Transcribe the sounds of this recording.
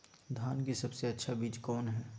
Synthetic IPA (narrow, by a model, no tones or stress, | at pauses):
d̪ʱaːnkisɐbseɐtːʃʰabiːd͡ʒkɔːnɦɛː